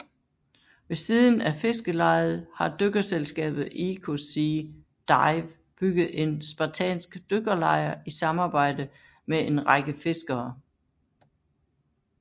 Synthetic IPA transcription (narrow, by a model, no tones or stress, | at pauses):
ʋe̝siːðˠn̩æfe̝sɡ̥əlɑ̈ɪð̩ˠhɑ̈d̥øɡ̥ɐselsɡ̥ɛ̰ːb̥ð̩ˠikʰosi | d̥ɑɪʋ | b̥yɡ̥ð̩ˠe̝nsb̥ɑ̈t͡sʰɛ̰ːnsɡ̥d̥øɡ̥ɐlɑ̈ɪɐisɑ̈mɑ̈ːb̥ɑ̈ɪ̰d̥ə | meʔe̝nʁɑɡ̥əfe̝sɡ̥ɐː